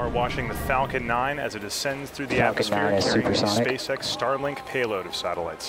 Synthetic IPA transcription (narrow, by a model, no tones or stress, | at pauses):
ə˞wɑt͡ʃɪ̃ŋðɨfæ̃ʊ̃kɨ̃nːãɪ̃nɨ̰zɨt̚ɨsɛ̃ndz̥θɹʉðiæsnzʉ̃pə˞sɑspeɪsɛkstɑɹlɪ̃ŋkpʰeɪlˠoʊɾʌv̥sæɾəl̩a̰ɪts